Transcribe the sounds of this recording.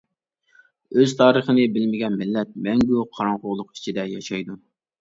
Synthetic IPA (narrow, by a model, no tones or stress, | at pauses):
øz̥t̪ʰɑːɾəχənɨbɪlmɪɡʲɛnmɪlːɛt̪̚mɛŋɡʲuqʰɑɾɑɴqʊʁlˠʊqi̥t͡ʃʰid̪ɛjɑʃɑjd̪u